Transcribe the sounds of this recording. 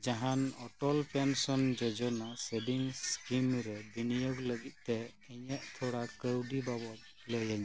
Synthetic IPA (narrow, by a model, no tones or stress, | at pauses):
d͡ʒaɦanɔʈɔlpɛnsɔnd͡ʒɔd͡ʒɔnaseɖiŋskimɾɛbinijɔɡləɡit̪̚ˀt̪ɛ | ɛɲɛʔt̪ʰɔɽakəwɖibabɔt̪̚ | lɔjaɲa